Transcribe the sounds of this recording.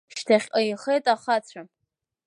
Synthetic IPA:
ʃtʰaχʲqʼaiχejtʼaχat͡sʷʰa

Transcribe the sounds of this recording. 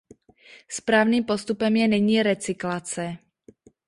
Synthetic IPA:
spɾaːvniːmpost̪upɛmjɛnɛɲiːɾɛt͡sɪklat͡sɛ

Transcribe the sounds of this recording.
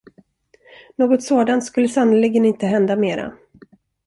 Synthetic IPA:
noːɡɔt̪soːd̪ant̪skɵlːəsanʊlɪɡənɪnt̪əɦɛnd̪ameːɾa̰

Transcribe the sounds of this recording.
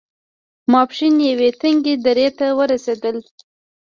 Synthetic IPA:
mɑpʃinjawet̪əŋɡed̪aɾet̪awəɾased̪əl

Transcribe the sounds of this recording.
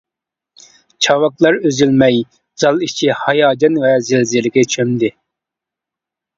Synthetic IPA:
t͡ʃʰɑwɑklˠɑɾøzylmɛj | z̥ɑlˠit͡ʃʰihɑjɑːd͡ʒɑnwɛzɪlzilɪkʲɛt͡ʃʰømd̪ɪ

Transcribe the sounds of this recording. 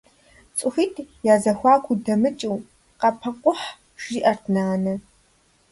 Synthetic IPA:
t͡sʼʊxiːtʰjaːzɐxʷɑːkʷʰudɐmɨt͡ʃʼiw | qɐpʰɐqʷʊħ | ʒ̥iːʔɐrtʰnaːnɐ

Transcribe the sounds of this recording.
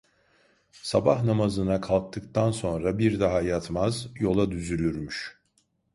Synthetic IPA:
sabahnamazɯnakʰalˠk̚t̪ʰɯk̚t̪ʰanso̞nɾabiɾd̪aɦajat̪mazjo̞lˠad̪yzylʲyɾmyʃ

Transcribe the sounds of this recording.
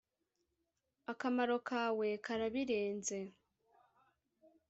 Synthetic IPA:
akamaɾo̞kaːwe̞kaɾaβiɾeːnze̞

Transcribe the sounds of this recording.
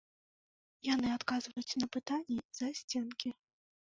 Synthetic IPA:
janɨat̪kazvɐjut͡sʲnɐpɨt̪anʲːizasʲt͡sʲɛnkʲi

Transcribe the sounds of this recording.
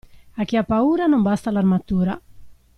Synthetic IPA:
ak̟ːiapːauːɾanombast̪alarmat̪uːɾa

